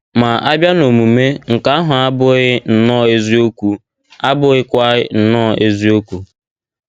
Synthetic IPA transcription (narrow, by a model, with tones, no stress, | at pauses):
ma˨ʔa˦bja˦no˨mu˨me˦ŋ̩˨ka˨˦ɦʊ˨a˦bʊ˦ɣɪ˦n̩˨nɔ˦e˦zi˦o˦kʷu˨ | a˦bʊ˦ɣɪ˦kʷa˦ɣɪ˦n̩˨nɔ˦e˦zi˦o˦kʷu˨